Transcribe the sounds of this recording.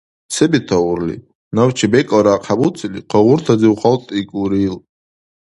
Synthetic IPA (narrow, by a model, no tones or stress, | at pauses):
sɛbit̪ʰauɾlḭ | nawt͡ʃʰɛbɛkʼɔɾaːqʰabut͡sʼiliqʰɔʁuɾt̪ʰad͡ziuχalt̪ʼikʼuɾil